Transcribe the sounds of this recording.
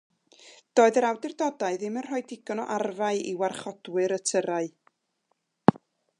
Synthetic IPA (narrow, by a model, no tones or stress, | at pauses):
d̥oːɨðəɾawdɪrdɔdaɨðɪmənr̥ɔjdɪɡ̥ɔnɔʔarvaɨʔiwarχɔd̥wɨɾətʰəɾaɨ